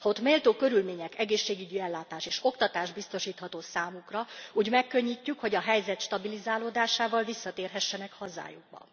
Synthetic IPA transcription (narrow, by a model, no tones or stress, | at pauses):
hot̪meːlt̪oːkø̞ɾylmeːɲɛkɛɡeːʃːeːɡyɟiɛlːaːt̪aːʃeːʃo̞kt̪ɒt̪aːʒbist̪o̞ʃiːt̪hɒt̪oːsaːmukrɒuːɟmɛkːø̞ɲːicːykho̞ɟɒɦɛjzɛt̪ʃt̪ɒbilizaːloːd̪aːʃaːvɒlvisːɒt̪eːrɦɛʃːɛnɛkhɒza̰ːjuɡ̚bɒ̰